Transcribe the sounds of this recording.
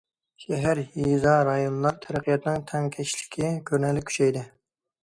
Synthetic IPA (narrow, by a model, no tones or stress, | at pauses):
ʃɛɦæɾhizɑɾɑjonlˠɑɾt̪ʰæɾæqʰijɛt̪nɪŋt̪ʰɛŋkʲʰɛʃlɪ̥kʲʰɪkʲʰøɾnɛlːɪkʲʰy̥t͡ʃɛjd̪ɪ